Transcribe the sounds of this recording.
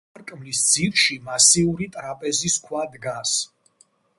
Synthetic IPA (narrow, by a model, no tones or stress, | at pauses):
ɾkʼmlisd̪ziɾʃimasiuɾit̪ʼɾapʼɛziskʰwad̪ɡas